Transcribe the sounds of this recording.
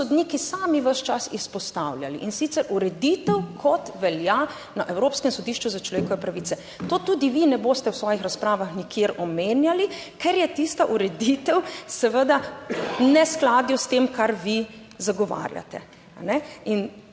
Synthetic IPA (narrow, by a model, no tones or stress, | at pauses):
sɔd̪niːkisaːmiʋəʃt͡ʃasispɔst̪awlja̰lḭʔinsit̪sɛɾʔuɾɛd̪it̪ɛwkʰɔt̪ʋɛlja | naʔɛwɾoːpskɛmsɔd̪iːʃt͡ʃuzat͡ʃlɔʋeːkɔʋɛpɾaʋiːt̪sɛ | t̪oːt̪ud̪iʋinɛboːst̪ɛwsʋɔːjixɾaspɾaːʋaxnikjeɾɔmeːnjalikɛɾjɛt̪ist̪aʔuɾɛd̪it̪ɛwsɛʋəd̪a | nɛsklaːd̪just̪eːmkaɾʋi | zaɡɔʋa̰ːɾja̰t̪ɛ̰ | a̰nɛin